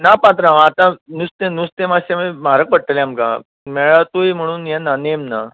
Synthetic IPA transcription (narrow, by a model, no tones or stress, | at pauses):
napãt̪ɾãʋat̪ãnust̪ẽnust̪ẽmasemim̤aɾək̚pəɽ̚ʈ̪əljamkã̰ | mɛɭat̪ujim̤əɽ̃uːnjananemna